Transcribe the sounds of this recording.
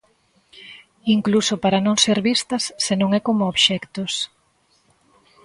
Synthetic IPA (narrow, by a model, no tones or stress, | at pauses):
iŋklusopaɾɐnõŋseɾβist̪ɐsːenõŋɛkomooβʃɛkt̪os